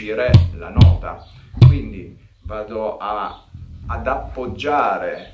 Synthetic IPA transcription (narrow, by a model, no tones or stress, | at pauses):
iɾɛla̰nɔːt̪a̰kwind̪i | vaːd̪oaː | d̪apːod͡ʒːaːɾe